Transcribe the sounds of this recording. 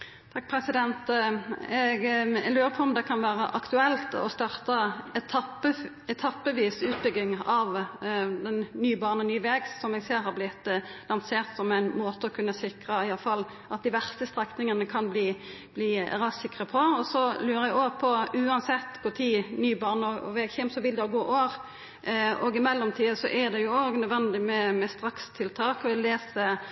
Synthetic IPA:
t̪ʰɑk̚ːpʰɾɛsɪd̪ɛnt̪ | ɛɡlʉːʁəpʰɔɔmd̪ɛkʰɑnʋæːʁəʔɑ̰kt̪ʉɛlt̪ɔ̰st̪ɑʁt̪ət̪ʰɑpə | ɛt̪ʰɑpːəʋiːsʉːt̪̚bʏɡɪŋɑʋd̪ɛnːyːbɑːʁnənyːʋɛːɡsɔmɛɡseːɾhɑɾblɪt̪ːlɑnseːʁt̪sɔmæɪnmoːt̪əɔkʰʉnːəsɪkʁəɪjɑlfɑlː | ɑt̪̚d̪ɪʋæʁst̪əst̪ʁɛknɪŋənəkʰɑnbliː | b̥lḭːʁɑsɪkʁəpʰɔɔsɔlʉːʁəɛɡoːpʰɔʉːɑnsɛt̪ːɡ̥oːt̪ʰiːnyːbɑʁnəɔɔʋɛːɡçɛːmsɔʋɪld̪ɛɔɡoːʔoːʁ | oːɡɪmɛlːɔmt̪ʰiːəsɔ̰ʔæd̪ɛjʊoːɡnœd̪ʋɛnd̪ɪmɛmɛst̪ʁɑkst̪ʰɪlt̪ʰɑːkɔɪleːsə

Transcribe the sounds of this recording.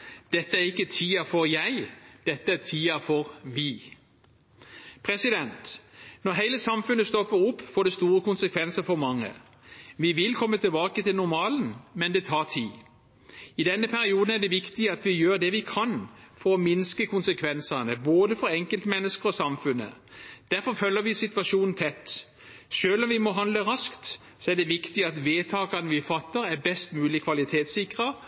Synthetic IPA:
d̪̥ɛt̪ːəæɾʁɪkːət̪ʰiːɑfɔɾjæɪd̪̥ɛt̪ːəæt̪ʰiːɑfɔɾʋɪ | pʰɾɛsɪd̪ɛnt̪nɔʁɦæɪləsɑmfʉnːəst̪ɔpːəɾʊpːfoːɖɛst̪uːɾəkʊnsəkʰʋɛnsəɾfɔɾmɑŋːə̰ | ʋɪʋɪlkʰɔmːət̪ʰɪlbɑːkət̪ʰɪlnʊɾmɑːln̩mɛnd̪ɛt̪ʰɑːt̪ʰiː | ɪd̪ɛnːəpʰæɾɪuːd̪n̩æɖ̪ɛʋɪkt̪ɪəɑt̪ʋɪjøːɾd̪ɛʋɪkʰɑnfɔɾɔmɪnskəkʰʊnsəkʰʋɛnsɑnəboːd̪əfɔɾɛŋkəlt̪mɛnːəskəɾɔsɑmfʉnːə̰ | d̪̥æɾfɔɾfœlːəɾʋɪsɪt̪ʋɑʃuːnn̩t̪ʰɛt̪ː | ʃøːlɔmʋɪmɔɦɑnd̪ləɾɑskt̪ | sɔæɖɛʋɪkt̪ɪɑt̪ʋeːt̪ʰɑːkɑnəʋɪfɑt̪ːəɾæɾbɛst̪mʉːlɪkʰʋɑlɪt̪ʰeːt̪sɪkʁə

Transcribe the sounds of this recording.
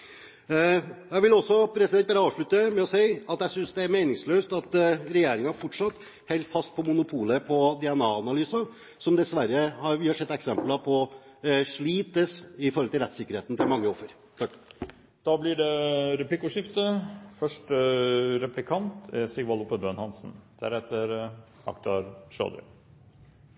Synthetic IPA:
jæɪʋɪlɔsːɔpʰɾɛsɪd̪ɛnt̪̚bɑɾəɑːʋʂɭʉt̪ːəmɛɔseɪɑt̪jæsʏnsd̪ɛæɾmeːnɪŋsløːst̪ɑt̪ɾɛjeːɾɪŋɑfɔʈʂɑt̪ː | hɛɪlt̪fɑst̪̚pʰɔmʊnʊpʰuːləpʰɔd̪ɪɛnɑːɑnɑlyːsɑ | sɔmd̪ɛsʋæɾːəhɑɾʋɪhɑʂɛt̪ːɛksɛmplɑpʰɔ | ʂɭiːt̪əsɪfɔɾɔlt̪ɪlɾɛt̪ːsɪkːəɾeːt̪n̩t̪ʰɪlmɑŋːəɔfːəɾʰɑ | d̪̥ɑːblɪɖɛɾɛplɪkʊʂɪft̪əfœʂʈ | ɾɛplɪkʰɑnt̪ɛsɪɡʋɑlʊpːəbønhɑnsn̩d̪̥æ̰ɾhɛt̪əɾ | ɑ̰kt̪ɑɾʂø̰ːd̪ə̰

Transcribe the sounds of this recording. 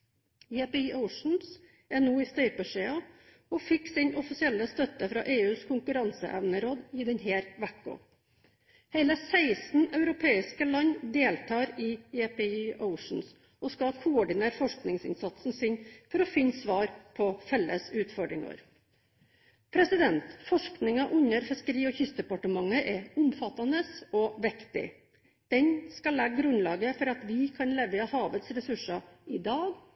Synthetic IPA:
jepɛiːʔəʊʂn̩s | ɛnuːiːst̪œʏpəʂeːɑ | ɔfɪksɪɲɔfɪsɪɛlːəst̪œt̪əfɾɑ̰ːʔeːʉːskʰʊŋkʉɾɑnsə̰ʔɛʋnəɾoːd̪iːd̪ɛɲɦeːɾʋækɡo̰ | hæɪləsæɪsn̩ɑʉɾʊpʰeːɪskəlɑɲd̪eːlt̪ʰɑːɾɪːjepɛiːʔəʊʂɳ̩s | ɔskɑkʰʊɔɖɪneːɾfɔʂknɪŋsɪ̰nsɑt̪sn̩sɪɲfɔɾɔfɪnːsʋɑːɾpʰɔfɛlːəsʉːt̪fɔɖɾɪŋɑ̰ɾ | pʰɾɛsɪd̪ɛnt̪fɔʂknɪŋɑʔʉnːəɾfɪskəɾiːɔçʏst̪̚d̪ɛpɑʈəmɑŋːəʔɛʊmfɑt̪ːɑnəsɔʋɪkt̪ɪ̰ | d̪̥ɛnskɑlɛɡɡɾʉnlɑːɡəfɔɾɑt̪ʋɪkʰɑnlɛʋəɑhɑːʋət̪sɾɛsʉʂɑɪd̪ɑːɡ

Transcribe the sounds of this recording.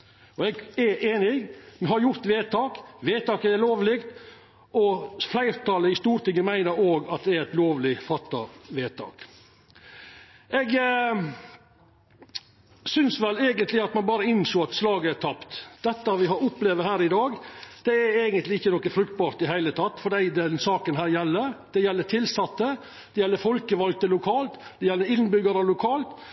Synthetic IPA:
ɔɛɡɛʔeːnɪmhɑɾjʊɾt̪ʋeːt̪ʰɑːkʋeːt̪ʰɑːkəɛloːʋlɪkt̪ | ɔflæɪɾt̪ɑləɪst̪uːɾt̪ʰɪŋːəmæɪnəɾoːɡɑt̪̚d̪ɛæɾɛt̪loːʋlɪfɑt̪ːɑʋeːt̪ʰɑ̰ːk | ʔɛɡ | sʏnsʋɛlæːɡənt̪lɪɑt̪mɑnbɑːɾəɪnsoːɑt̪slɑːɡəæt̪ʰɑpt̪d̪̥ɛt̪ːɑʋɪɦɑɾʊpleʋəɾhæːɾɪd̪ɑːɡd̪̥ɛæɾæɪɡənt̪lɪɪçːənɔkːəfɾʉkt̪̚bɑɾt̪ɪɦæɪlət̪ʰɑt̪ːfɔɖæɪd̪ɛnsɑːkənɦæːɾjɛlːəɾd̪̥ɛjɛlːəʈʰɪlsɑt̪ːə | d̪̥ɛjɛlːəfɔlkəʋɑlk̚t̪əlʊkʰɑːlt̪ | d̪̥ɛjɛlːəɾɪnbʏɡɑɾəlʊkʰɑːlt̪

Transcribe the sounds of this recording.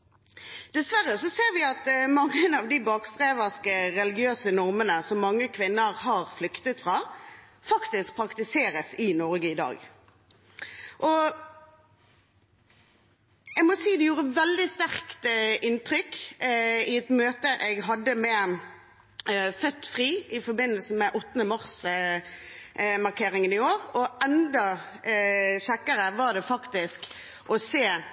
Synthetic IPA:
d̪̥ɛsʋæʁəsɔseːʁʋɪɑt̪mɑŋːənɑʋd̪ɪbɑːkst̪ʁeːʋəʁskəɾɛlɪɡɪøːsənɔʁmənəsɔmːɑŋːəkʰʋɪnːəʁhɑːʁflʏkt̪ət̪fɾɑː | fɑkt̪ɪsk̚pʰɾɑkt̪ɪseːɾəsɪnɔʁɡəɪd̪ɑ̰ːɡ | ʔɔ | ɛɡmɔsiːd̪ɛjuːɾəʋɛld̪ɪst̪æʁkt̪ʔɪnt̪ɾʏk | ɪɛt̪møːt̪əʔɛɡɦɑd̪ːəmɛ | fœt̪ːfʁiːɪfɔɾbɪnːəlsəmɛʔɔt̪ːənəmɑɾs | mɑʁkʰeːɾɪŋənɪoːɾɔʔɛnd̪ɑ | ɕɛkːəɾəʋɑʁd̪ɛfɑkt̪ɪsk | ʔɔseː

